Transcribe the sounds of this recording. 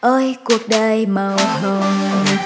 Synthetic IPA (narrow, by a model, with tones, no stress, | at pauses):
ʔəː˧jku˨˩ək̚ɗə˨˧˩jma˨˩wh̪ʰə˧˩m